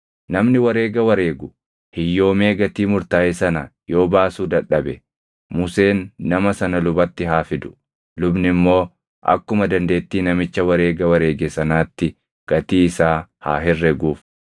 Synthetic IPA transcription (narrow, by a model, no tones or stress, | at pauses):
nɐmnɪwɐɾe̞ːɡɐwɐɾeːɡʊ | hɪjːo̞ːme̞ːɡɐt̪iːmʊɾt̪aːjɪsɐnɐjo̞ːbaːsuːd̪ɐᶑːɐbɛ | mʊse̞ːnːɐmɐsɐnɐlʊbɐt̪ːɪɦaːfɪd̪ʊ̥ | lʊbnɪmːo̞ː | ʔɐ̰kːʊmɐd̪ɐnd̪e̞ːt̪ːiːnɐmɪt͡ʃːɐwɐɾe̞ːɡɐwɐɾeːɡɛsɐnaːt̪ːɪ | ɡ̥ɐt̪iːɪsaːha̰ːɦɪrːɛɡuːf